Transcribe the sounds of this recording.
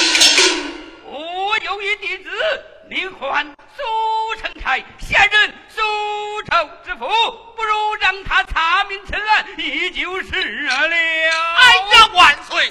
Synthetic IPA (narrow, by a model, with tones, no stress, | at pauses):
ɔ˧˩ɔ˧jo˧˥ʊy˧˥t̪i˨˩t͡sɹ̩˧˥ | li˧˥nxwa˧˥n | su˥˩ʈ͡ʂʰɤ˧˥ŋt͡sʰa˧˥ɪɕjɛ˥˧nɻə˥˩n | su˥˧ʈ͡ʂʰo˧˩ʊʈ͡ʂɻ̩˧˥fu˧˥pu˥˧ɻu˧˥ɻɑ˥˧ŋt̪ʰa˥t͡sʰa˧˥mi˧˥nt͡sʰə˧˥ŋa˥˩ni˧˩t͡ɕi˧˥ʊʂ̩˥˩˧ə˧˥li˧˩a˥˩ɪkɑ˥˩kwa˨˩nswe˥˩